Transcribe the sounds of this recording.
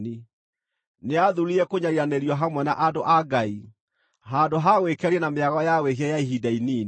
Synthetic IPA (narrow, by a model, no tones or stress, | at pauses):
ni | neaðuɾiɛkoɲaɾiɾaneɾiwaɦamwɛna̰ʔadoʔaɡai | ɦandoɦaɣwekɛɾiɛnameaɣɔjaɣweɦiɛjaiɦidainiːn